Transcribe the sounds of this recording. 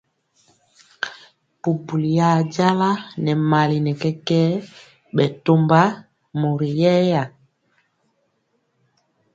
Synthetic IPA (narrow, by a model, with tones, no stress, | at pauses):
pu˨bu˨li˨ja˨d͡ʒa˦la˦nɛ˨ma˨li˨nɛ˨kɛ˦kɛ˦ | ɓɛ˨to˦mba˦ | mo˨ɾi˨jɛ˦ja˨